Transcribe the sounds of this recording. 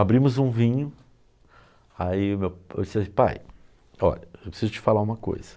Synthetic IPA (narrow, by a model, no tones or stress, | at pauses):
abɾĩmʊzũvĩɲʊ | aiʊmewḛwd͡ʒissĩpa̰j | ɔ̰ʎɐewpɾe̥sizʊt͡ʃɪ̥falaũmɐko̰jz̥ɐ̥